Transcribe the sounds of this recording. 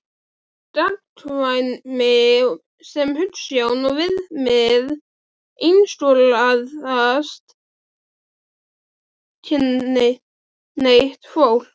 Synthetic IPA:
t̪at̪ʰvajnme | sɛmhʏlt̪sjaːwnɔvɪðmɛð | ijnst̪ulaðast̪ | cʰɪnːɪ | nejht̪foːwl̥

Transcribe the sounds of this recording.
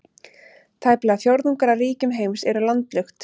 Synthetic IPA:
t̪ʰaːjplɛːɣaθjowɾðnuŋkaɾariːcʏmɦeːjmsɛɾʏlant̪lʏxt̪

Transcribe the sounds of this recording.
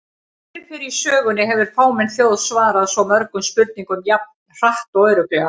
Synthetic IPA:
ɪɾfɪɾisœːɣʏnɪɦɛvʏɾ̥faːwmɛnθjoːwðsvaːɾaðsɔmœɾkʏmspʏɾt̪̚niŋkʏmjap̚nr̥aht̪ɔwœɥɾʏklɛɣa

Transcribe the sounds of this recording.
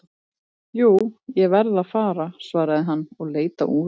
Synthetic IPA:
juːjɛvɛɾðaðfaːɾasvaːɾaðɪɦanːɔɣleːjt̪a̰ʔuː

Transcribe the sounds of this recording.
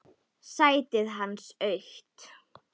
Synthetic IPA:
saːjt̪ɪðɦanːsœɥht̪

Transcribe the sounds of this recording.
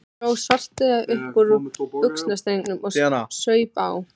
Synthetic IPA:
ɔwsvar̥t̪ɪðaðʔʏhpɔɾʏʏksnast̪ejnʏmɔɣsœːɥpaːw

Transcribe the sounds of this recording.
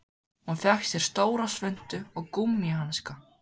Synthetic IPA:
hunfɛxsjɛɾ̥st̪oːwɾasvʏn̥t̪ʏɔɣkumːjɪɦanska

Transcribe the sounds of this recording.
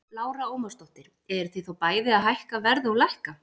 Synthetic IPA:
laːwɾaoːwmast̪ɔht̪ɪɾ̥ | ɛɾ̥θiθowpaːjðɪaðɦajhkavɛɾðɔlajhka

